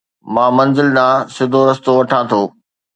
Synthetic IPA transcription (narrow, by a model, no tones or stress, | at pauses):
mãːmɐ̃nzɪlɗãːsɪd̪ʱoɾɐst̪oʋɐʈʰãːt̪ʰoː